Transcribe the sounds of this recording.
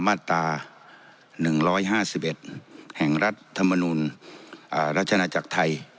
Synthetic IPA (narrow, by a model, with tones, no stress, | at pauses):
maː˥˩t̪ːaː˧ | nɯ˨˩ŋɾɔː˦˥jɦaː˥˩siː˨˥p̚ʔe˨˩t̪̚hɛː˨˩ŋɾa˦˥˩t̪ʰːa˧mːa˧nuː˧nʔaː˨˩ɾa˦˥t̪̚ʰa˧naː˧t͡ɕa˨˩k̚t̪ʰa˧j